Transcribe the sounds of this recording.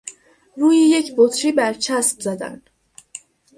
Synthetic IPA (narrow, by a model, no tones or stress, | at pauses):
ɾuːjiːjecʰbot̪ʰɾiːbæɾt͡ʃʰæsbzæd̪æ̰n